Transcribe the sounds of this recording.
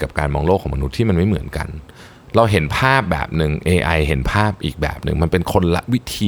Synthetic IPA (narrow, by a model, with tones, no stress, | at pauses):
ka˨˩p̚kaː˧nmɔː˧ŋlo˥˩kʰːma˧nu˦˥t̪ʰːiː˥˩ma˧nma˥˩jmɯ˨˩˦ənka̰˧n | ɾa˧wɦe˩˦npʰaː˥˩p̚bɛ̰ː˨˩p̚nɯ˨˧ŋʔeː˧ʔa˧jɦe˩˦npʰaː˥˩p̚ʔiː˨˩k̚bɛ̰ː˨˩p̚nɯ̰˨˩ŋma˧npe˧nkʰo˧nla̰˦˥ʔwi˦˥t̪ʰiː˧